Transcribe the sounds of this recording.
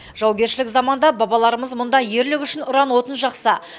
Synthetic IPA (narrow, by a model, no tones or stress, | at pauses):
ʒ̥ɑwɡʲe̞ɾʃɪlɪkzɑmɑnd̪ɑbɑbɑlˠɑɾəməzmʊnd̪ɑje̞ɾlɪkʲʏʃɪnʊɾɑnwo̞t̪ənʒɑqsə